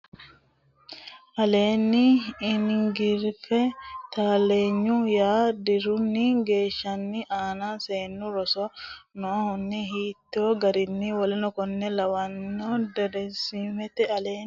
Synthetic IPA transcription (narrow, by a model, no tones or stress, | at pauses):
ʔɐle̞ːnːɪːnɡɪɾfɛt̪aːle̞ːɲːʊjaːd̪ɪɾʊnːɪɡe̞ːʃːɐnːɪʔaːnase̞ːnːʊɾɔsɔnɔːhʊnːɪɦiːt̪ːoɡɐɾɪnːɪwɔlɛnɔkɔnːɛlɐwɐnːod̪ɛdɛnsimɛt̪ɛɐleː